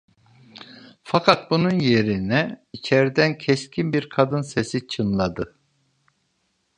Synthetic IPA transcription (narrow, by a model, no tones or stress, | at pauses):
fakʰat̪̚bununje̞ɾinɛit͡ʃʰɛɾd̪æncʰɛscʰʲinbiɾkʰad̪ɯnsesit͡ʃʰɯnlˠad̪ɯ